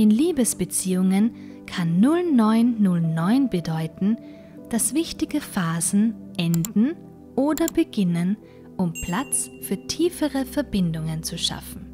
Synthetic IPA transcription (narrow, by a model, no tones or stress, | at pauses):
ʔɪnliːbəsb̥ət͡siːʊŋən | kʰanːʊlnɔʏnːʊlnɔʏnbədɔʏtn̩ | d̥asv̥ɪçtɪɡəfaːzn̩ʔɛndn̩ | ʔoːdɐbəɡɪnən | ʔʊmpʰl̥at͡s | fyːɐtʰiːfəʁəfɛɐbɪndʊŋənt͡suʃa̰fn̩